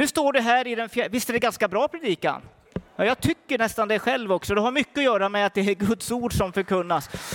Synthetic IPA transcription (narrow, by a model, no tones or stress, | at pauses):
nɵst̪oːɖɛɦæːɾɪd̪ɛnfjævɪst̪əd̪ɛɡanskabɾɑːpʰɾɛd̪iːka̰n | jɑːjɑːɡ̚t̪ʰʏkːəɳɛst̪and̪ɛɧɛlvɔksɔd̪ɛɦaɾmʏkːəɔjœːɾamɛat̪̚d̪ɛæɾɡɵt̪suːɖʂɔmfœɾkʰɵnːas